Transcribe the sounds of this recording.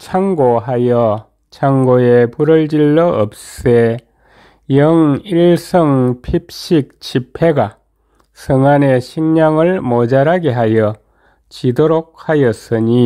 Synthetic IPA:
t͡ɕʰaŋɡoɦajʌ | t͡ɕʰaŋɡoepuɾʌɭd͡ʑiɭːʌʔʌp̚s͈e | jʌŋiɭsʰʌŋpʰip̚ɕ͈ik̚t͡ɕʰipʰe̞ɡa | sʰɯŋane̞ɕʰiŋɲaŋɯɭmod͡ʑaɾaɡeɦajʌ | t͡ɕidoɾok̚hajʌs͈ɯɲi

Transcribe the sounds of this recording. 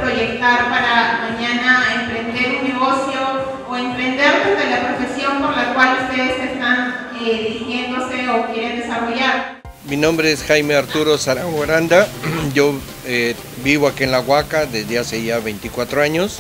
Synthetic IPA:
pɾo̞ʝe̞k̚t̪aɾpaɾamaɲanaempɾe̞nd̪e̞ɾunːe̞ɣo̞sjo̞ː | empɾe̞nd̪e̞ɾnezðelapɾo̞fe̞sjo̞mpoɾlakwalust̪e̞ðesest̪an | eðiixje̞nd̪o̞se̞okje̞ɾe̞nd̪e̞saro̞ʝaɾ | minõmbɾeesxajmeaɾt̪uɾosaɾaɣoɾand̪aɟ͡ʝo | e | biβoakienlaɣwakaðezd̪easeʝaβejnt̪ikwat̪ɾoaɲos

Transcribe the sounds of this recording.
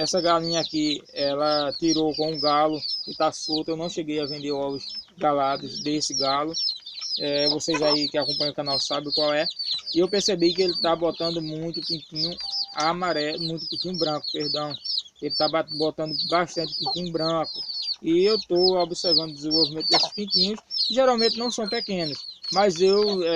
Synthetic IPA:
ɛsɐɡalĩɲɐakiɛlɐt̪iɾokõũɡalʊkɪt̪asot̪ɐewnɐ̃w̃ʃeɡejavẽnd̪eɾɔlʊzɡalad̪ɐzd̪esɪɡalʊ | ɛvoseʒaikɪakõpɐ̃ɲɐkɐ̃nawsabɪʊkwawɛɪewpehsebikɪelɪt̪abot̪ɐ̃nd̪ʊmũj̃t̪ʊpĩkĩɲʊamaɾɛmũj̃t̪ʊpĩt̪ĩɲʊbɾɐ̃kʊ̥pehd̪ɐ̃w̃ | elɪt̪ababot̪ɐ̃nd̪ʊbaʃt̪ɐ̃nt̪ɪ̥pĩt̪ĩɲʊbɾɐ̃kʊɪewt̪oobisɛɾvɐ̃nd̪ʊd̪ɪzẽvowvimẽt̪ʊd̪esɪ̥spĩt̪ĩɲʊskɪʒɛɾawmẽnt̪ɪnɐ̃w̃sɐ̃w̃pekẽnʊsmɐzew

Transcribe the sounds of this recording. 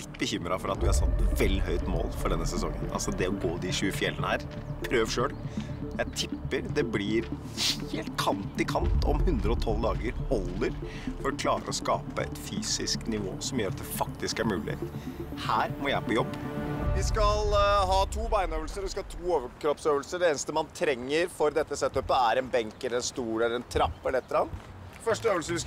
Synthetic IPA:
ɪt̪ːbəçʏmːɾɑfɔɾɑt̪ʋɪhɑɾsɑt̪ːʋɛlːɦœʏt̪mo̰ːlfɔɖɛnːəsɛsɔŋːə̰nɑ̰lsɔd̪ɛɔɡoːd̪ɪʂʉːəfɪɛlːənəhæːɾ | pʰɾøːʋʂøːɽjæɪt̪ʰɪpːəɾd̪ɛblɪɾ | heːlt̪kʰɑnt̪ɪkʰɑnt̪ɔ̰mhʉnd̪ɾəɔt̪ʰɔld̪ɑːɡəɾhɔlːəɾ | fɔɾɔkʰlɑːɾə̰ɔskɑ̰ːpəɛ̰t̪fyːsɪsknɪʋo̰ːsɔmjøːɾɑt̪̚d̪ɛfɑk̚t̪ɪskæɾmʉːlɪ̰hæːɾmɔjæɪpɔjɔbːʋɪskɑlhɑːt̪ʰuːbæɪnøːʋəlsəɾʋɪskɑɑːt̪ʰuːoːʋəkɾɔpsøːʋəlsəɖɛeːnəst̪əmɑnt̪ʰɾɛŋːəɾfɔɾd̪ɛt̪ːəsɛt̪ːœpəæɾɛnbɛŋkɛləɾɛnst̪uːɾɛlːəɾɛnt̪ʰɾɑpːɛlɛt̪ːəɾɑnt̪ | fœʂʈəøːʋəlsəʋɪ

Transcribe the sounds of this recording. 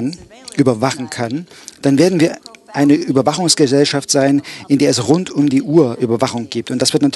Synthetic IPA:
nʔyːbɐvaχn̩kʰand̥anveːɐdn̩viːɐʔaɪnəʔyːbɐvaχʊŋsɡ̥əzɛlʃaftz̥aɪnʔɪndeːɐɛsʁʊntʰʊmdiːʔuːɐʔyːbɐvaχʊŋɡ̥iːp̚tʊntd̥asv̥ɪɐtnatʰ

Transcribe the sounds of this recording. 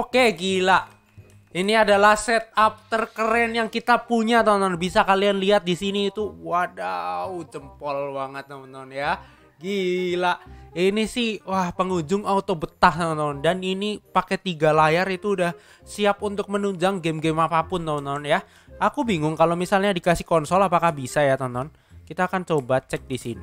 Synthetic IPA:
okeɡilaʔ | iniadalahsɛt̪̚ap̚t̪ərkəɾɛnjaŋkit̪apuɲat̪ɔnt̪ɔnbisakalianliat̪̚disiniːt̪uwadaud͡ʒəmpɔlbaŋət̪̚ːɔnt̪ɔnja | ɡilaʔinisɪhwahpəŋud͡ʒʊŋaut̪obət̪aht̪ɔnt̪ɔndaninipakɛt̪iɡalajaɾit̪uːdah | siap̚unt̪ʊk̚mənuɲd͡ʒaŋɡemɡemapapʊnt̪ɔnt̪ɔnja | akubiŋʊŋkalomisalɲadikasɪhkɔnsɔlapakahbisajat̪ɔnt̪ɔn | kit̪aːkant͡ʃobat͡ʃɛk̚disini

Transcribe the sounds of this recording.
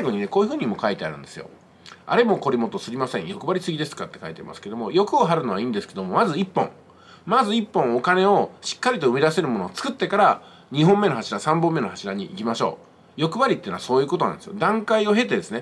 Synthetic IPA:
saiɡo̞ɲ̟ine̞ko̞ːjɯ̟ɸɯ̟ːɲ̟imo̞kait̪e̞a̰ɾɯ̟nd̪e̞sɨjo̞̰ | a̰ɾe̞mo̞ko̞ɾʲimo̞t̪o̞sɨɾʲimasẽ̞ɰ̃jo̞kɯ̟baɾʲisɨɡʲid̪e̞sɨ̥kat̪ːe̞kait̪ea̰ḭma̰sɨ̥ked̪o̞mo̞jo̞kɯ̟oɦaɾɯ̟no̞β̞aĩːnd̪esɨ̥ked̪o̞mo̞mazɨipːõ̞ŋ | mazɨipːõ̞ŋ̃o̞kane̞o̞ɕi̥kːaɾʲit̪o̞ɯ̟mʲid̪ase̞ɾɯ̟mo̞no̞ːt͡sɨ̥kɯ̟t̪ːe̞kaɾa | ɲ̟iɦõ̞mːe̞no̞ɦaɕiɾasãmbomːe̞nohaɕiɾaɲ̟iikʲimaɕo̞̰ː | jo̞kɯ̟baɾʲit̪einoa̰so̞ːjɯ̟ːkot̪o̞na̰nd̪esɨjod̪ãŋkaio̞ɦe̞t̪e̞d̪e̞sɨne̞

